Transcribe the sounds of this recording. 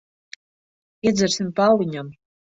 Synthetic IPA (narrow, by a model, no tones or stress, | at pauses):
iɛd̪zɛɾsimpalˠiɲam